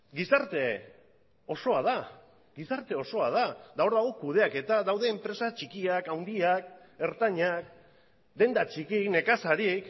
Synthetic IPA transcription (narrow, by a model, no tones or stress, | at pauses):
ɡisaɾt̪e̞ | o̞so̞að̞a | ɡisaɾt̪e̞o̞so̞að̞ad̪aoɾðaɣokuð̞e̞ake̞t̪aðawðe̞ːmpɾe̞sat͡ʃikiakawnd̪iak̚ | e̞ɾt̪aɲak̚ | d̪e̞nd̪at͡ʃikine̞kasaɾik